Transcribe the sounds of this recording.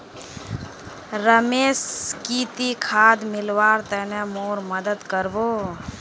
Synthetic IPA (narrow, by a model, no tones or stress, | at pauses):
ɾəmeːskit̪ikʰaːd̪mɪlwaːɾt̪ɛnɛmoːɾməd̪əd̪kəɾboː